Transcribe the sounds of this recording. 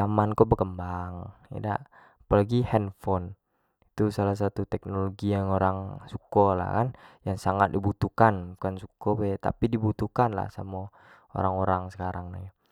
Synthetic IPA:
amankɔbəkəmbaŋḭda̰ | palaɡihɛnfɔn | it̪usalas̬at̪ut̪ɛk̚noloɡiaŋoɾaŋsukɔla̰kanjaŋsaŋat̪̚dibut̪ukanbukansukɔbɛt̪a̰pidibut̪ukanla̰hsa̰mo | o̰ɾaŋoɾaŋsə̥kaɾaŋna̰ja

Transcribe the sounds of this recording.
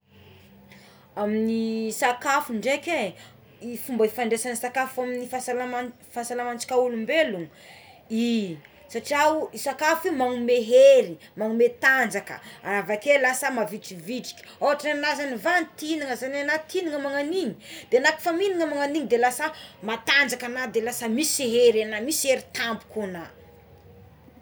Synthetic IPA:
aminisakafuɳɖ͡ʐekʲe | ifumbəifaɳɖ͡ʐesansakafuaminifasalaa | fasalamant͡si̥kʲaulumbeluŋ | i | saʈ͡ʂiauisakafimaŋumeɦeɾi | maŋumet̪and͡ʒakə̰a̰avakelasəmaviʈ͡ʂiviʈ͡ʂi̥kʲi̥aaʈ͡ʂianazanivanit̪iniŋəzananat̪iniŋəmaŋaniŋid̪̥eanaki̥faminiŋəmaŋaniŋid̪elasəmat̪and͡ʒakanad̪elasamisiɦeɾanamisieɾit̪ambu̥kuna

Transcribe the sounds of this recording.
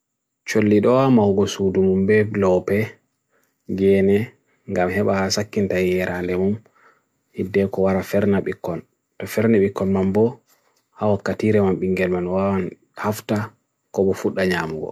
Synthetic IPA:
t͡ʃolːiɗɔwamawɡɔsudumumbɛlɔpɛ | ɡɛːnɛ | ŋɡamɦɛɓahasakːintajɛɾʔandɛmum | hidːɛkɔwaɾafɛɾnaɓikːɔn | tɔfɛɾnaɓikːɔnmambɔ | hawakːatiɾɛmamɓiŋɡɛlmanwawan | hafta | kɔɓɔfuɗːaɲamuɡɔ̰

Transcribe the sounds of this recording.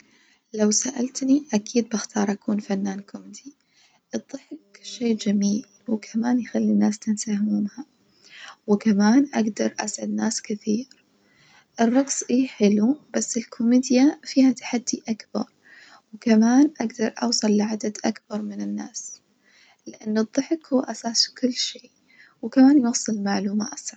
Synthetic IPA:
lawsaʔalt̪niʔakiːd̪̚bɪxt̪ɑːɾˤʔakuːnfanːaːnkʰʊmd̪i | ʔɨd̪ˤːɨħɪkʃeːd͡ʒamiːl | wɪkʰamaːnjxalːinːaːst̪ɪnsahmuːmha | wɪkamaːnʔaɡd̪ɑɾˤʔasʕad̪naːskɪθiːɾ | ʔɪrˤːɑɡsʔiːħɪlub̥asːɪlkʰʊmiːd̪jafiːhat̪ḁħad̪ːiʔakb̥ɑ̰ɾˤ | wɪkamaːnʔaɡd̪ɑɾˤʔɑ̰wsˤɑlːʕad̪ad̪ʔakbɑɾˤmɪnɪnːaːs | lɪʔanːɨðˤːɨħɪkhʊwːʔasaːskʊlːʃeː | wɪkamaːnjɑːsˤɨlmaʕluːma̰ːt̪sʕɑ

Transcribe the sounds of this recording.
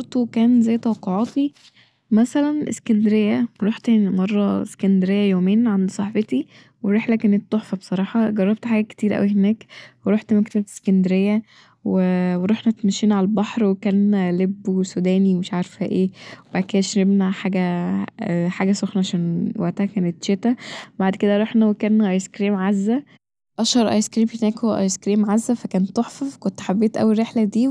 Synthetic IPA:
oɾt̪ˤukæːnzæjːt̪ˤɑwɑqːoʕɑːt̪i | mæsælænʔḛskænd̪eɾejːæɾˤoħt̪mɑrˤːɑskænd̪eɾejːæjoːmeːnʕand̪isˤɑħbet̪i | weɾeħlækæːnet̪ːoħfɑbe̥sˤɑɾˤɑːħɑɡɑrˤːɑb̚t̪ħaːɡæke̥t̪iːɾʔæ̰wiɦenæːkweɾˤoħt̪mækt̪æe̥skænd̪eɾejːæ | weweɾˤoħnæt̪mæʃːiːnʕalælbɑħɾwekæːnlebːsud̪æːniwemeʃʕaɾfhæʔeːwebaʕd̪̚ked̪æʃɾebnæħaːɡæ | ħaːɡæsoxnɑʕaʃænwæʔt̪æhækæːnet̪ʃet̪æwbaʕd̪ked̪æɾˤoħnæwekæːnʔɑjskɾiːmʕazːæ | ʔɑʃɑɾˤʔɑ̰jskɾiːmhenæːkhowæʔɑ̰jskɾiːmʕazːæfækæːnt̪ːoħfɑvkont̪ħabːeːt̪ʔæ̰wːiɾːeħlæd̪iː

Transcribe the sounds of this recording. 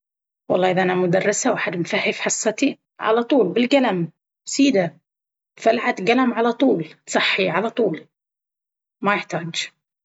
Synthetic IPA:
wɑ̰lˤːɑːʔɪðaʔanamʊd̪arˤːɪsawaħad̪mfahːɪfħɑsˤːɑt̪i | ʕa̰lat̪ˤuːlbɪlɡalam | siːd̪a | falʕat̪ɡalamʕalat̪ˤuːlt̪sˤɑħːiʕalat̪ˤuːl | majɪħt̪aːd͡ʒ

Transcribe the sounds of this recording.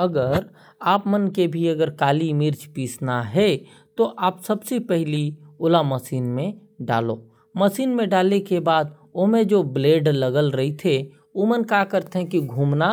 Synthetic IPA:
əɡəɾ | aːpmənkebʱiɐɡəɾkaːlimɪɾt͡ʃpiːsnaɦɛ | t̪oʔaːpsəbsepɛɦliʊlaməsiːnmẽ | ɖa̰ːloː | məsiːnmẽɖaːlekebaːd̪ | omẽd͡ʒoːbleːɖləɡəlɾɐɦit̪ʰe | oːmənkakəɾt̪eɦɛ̃kiɡʱuːmna

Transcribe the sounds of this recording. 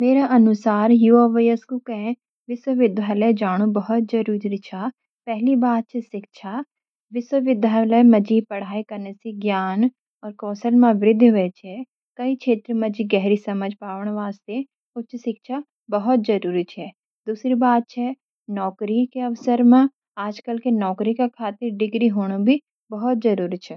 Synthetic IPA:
meːɾaʔɐnʊsaːɾjuɔːʋəjəskukɐɦẽ | ʋɪswəʋɪd̪ʱaləjd͡ʒaːɽ̃ubɐɦɔt̪̚d͡ʒɐɾuːɾɾit͡ʃʰaː | pɛɦlibaːd̪̚t͡ʃʰiʃɪkʃʰa | ʋɪswəʋɪd̪ʱaləjmɐd͡ʒiːpɐɽ̤aːikɐɾnesiɡjaːn | ɔːɾkɔːsəlmãʋɾɪd̪ʱːɦʊɛt͡ʃʰɛ | kɐikʰeːt̪ɾmɐ̃d͡ʒiɡɛɦɾisɐməd͡ʒʱpaːʋəɽ̃ʋaːst̪e | ot͡ʃʰsɪkʃʰa | bɐɦɔt̪̚d͡ʒɐɾuːɾit͡ʃʰɛː | d̪uːsɾibaːd̪̚t͡ʃʰɛ | nɔːkɾikeɐʋsəɾmẽ | aːd͡ʒkɐlkenɔːkɾikekʰaːt̪ɪɾɖɪɡɾiɦoːɽ̃obʱi | bɐɦʊt̪̚d͡ʒɐɾuːɾit͡ʃʰɛ

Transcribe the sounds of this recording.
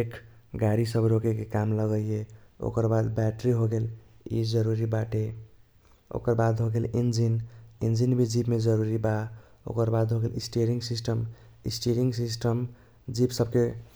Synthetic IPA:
ekʰ | ɡaɾisəbɾokekekamləɡəeo̰kəɾbad̪bɛʈɾiɦoɡelḭd͡ʒəɾuɾibaʈe | o̰kəɾbad̪ɦoɡelind͡ʒinind͡ʒinbʱid͡ʒipmed͡ʒəɾuɾiba | o̰kəɾbad̪ɦoɡelisʈeɾiŋɡsisʈəm | isʈeɾiŋɡsisʈəm | d͡ʒipsəb̚ʱke

